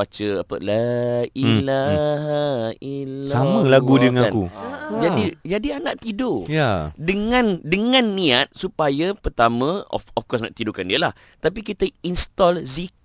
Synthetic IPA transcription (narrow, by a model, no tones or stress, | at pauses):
at͡ʃəapə̰laila | ilsamə̃laɡudəŋãkud͡ʒadid͡ʒadianãʔt̪idojadəŋãndəŋãnːiat̪̚supajapərt̪amə̃ɔ̰fɔfkɔs̬nɔ̰ʔt̪idokandiəlah | t̪ap̬ik̬it̪əinst̪ɔlzi